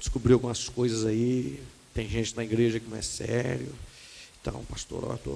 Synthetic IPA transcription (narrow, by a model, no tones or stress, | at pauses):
d͡ʒɪ̥skubɾiwkõɐskojzɐzai | t̪ẽj̃ʒẽnt͡ʃɪnɐiɡɾeʒɐkɪnɐ̃ɛsɛɾjʊɪ̃t̪ɐ̰̃w̃past̪o̰ɾa̰la̰t̪o̰